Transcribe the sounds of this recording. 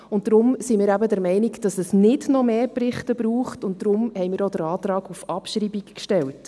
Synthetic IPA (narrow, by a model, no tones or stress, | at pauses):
ʊnt̚d̥ɾʊmsimɪːɾæbədɛɾmɛɪnikd̥ɑsɛsnɪdnɔmeːprɪχtəbɾuːχtʊnt̚d̥ɾʊmhɛɪmɪːɾodəɾɑːtrɑːɡufɑpʃɾibikkʃtɛlt